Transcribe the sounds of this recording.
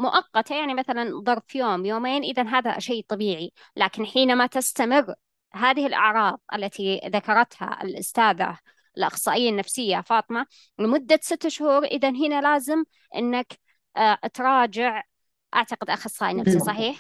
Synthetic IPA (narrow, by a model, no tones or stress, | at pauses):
mʊʔɑqːɑt̪ajaʕnimaθalanðˤɑɾˤfjoːmjoːmeːnʔɪðanɦaːða̰ʃejːt̪ˤɑbiːʕi | laːkɪnħiːnamat̪ɪst̪amɪrː | ɦaːðɪhɪlʔɑ̰ʕɾˤɑːðˤʔa̰lːat̪ʰiðakɑɾˤɑt̪ha̰ɪ̰lʔʊ̰st̪aːða̰ | lʔɑxsˤɑːʔɪjːanːafsɪjːafɑːt̪ˤɨma | lɪmʊd̪ːasɪt̪ːʃhuːɾʔɪðanɦɪnalaːzɪm | ʔɪ̰nːak | t̪ɾˤɑːd͡ʒɪʕ | ʔa̰ʕt̪aqɪd̪ʔaxɑsˤːɑːʔinafsisˤɑħiːħ